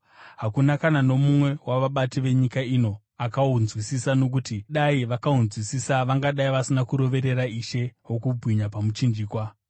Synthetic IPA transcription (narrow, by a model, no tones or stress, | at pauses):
ɦakunakanano̞mumwe̞waʋaɓatiʋe̞ɲikaino̞ | akaunzwisisano̞k̬utiɗaiʋakaunzwisisaʋaŋɡaɗaiʋasinakuɾo̞ʋe̞ɾe̞ɾaiʃe̞wokubʱwiɲapamut͡ʃind͡ʒiːkwa